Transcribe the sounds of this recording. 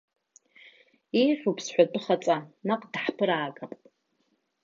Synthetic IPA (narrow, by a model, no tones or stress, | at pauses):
ijχʲʷᶣupʰsħᶣʷatʼɨχat͡sʼanaqʼdħpʰɨɾaːɡʼapʼ